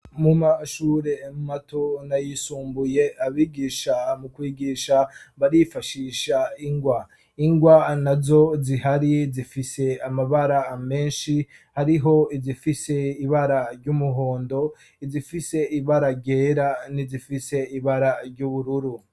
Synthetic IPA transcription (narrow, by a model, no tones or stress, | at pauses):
mumaʃuːɾe̞mumatʰo̞najisuːmbuje̞aβiːɡiʃamukwiːɡiʃaβaɾifaʃiːʃaiŋɡwa | iŋɡwanazo̞ziɦaɾizifise̞amaβaɾame̞ːnʃi | haɾiɦo̞izifise̞iβaɾaɾɟumuɦoːndo̞ | izifise̞iβaɾaɾɟe̞ːɾanizifise̞iβaɾaɾɟuβuɾuɾu